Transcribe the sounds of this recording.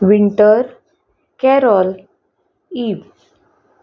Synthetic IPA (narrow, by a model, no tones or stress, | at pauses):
ʋiɳʈəɾ | kɛɾɔl | iːʋ